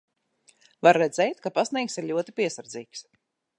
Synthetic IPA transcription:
vaɾːɛd̪zɛjt̪kapasnʲiːksiɾʎʲuɔt̪ipiɛsaɾd̪ziːks

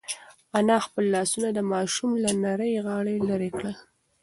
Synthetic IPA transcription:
anɑxpəlːɑsunad̪əmɑʃumlanaɾəjɣɑɽelaɾekɽəl

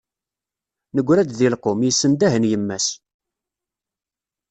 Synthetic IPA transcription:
nəɡʷːɾæd̪ðilqomjisːənd̪æɦənjəmːæs

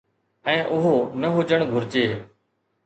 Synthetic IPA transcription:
ɛ̃ːʔʊɦoːnəɦʊd͡ʒəɳɡʱʊɾt͡ʃeː

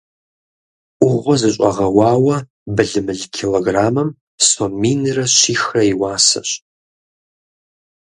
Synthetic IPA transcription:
ʔʷʊʁʷɔzɨɕʼɐʁɐwɑːwɐ | bɨɮɨmɨɮkʰeloɡraːmɨm | somiːnrɐɕiːxrɐiwaːsɐ̰ɕ

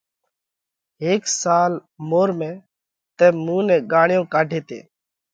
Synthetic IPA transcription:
ɦeːksaːlmoːɾmẽː | t̪ɛ̃ːmũːnɛ̃ːɡaːɳɪjõːkaːɖʱeːt̪ḛː

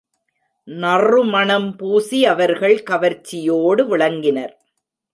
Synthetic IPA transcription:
nɐrɯmɐɳɐmpuːsiɐʋɐɾɣɐɭkɐʋɐɾt͡ʃːɪjoːɽɯʋɪɭɐŋɡɪnɐɾ

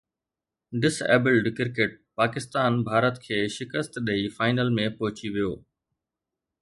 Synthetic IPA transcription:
ɖɪsɛ̰ːbɪlɖkɪɾkeːʈ̚paːkɪst̪aːnbʱaːɾət̪kʰeːʃɪkəst̪ɗeifaːɪnəlmẽpɐɦʊt͡ɕiʋijoː

